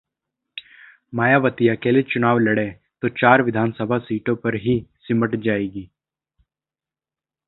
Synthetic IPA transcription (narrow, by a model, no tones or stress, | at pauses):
maːjaːʋət̪ijakeːlet͡ʃʊnaːʋlɐɽe | t̪ot͡ʃaːɾʋɪd̪ʱaːnsəbʱasiːʈõpɐɾɦisɪməʈd͡ʒaːeːɡiː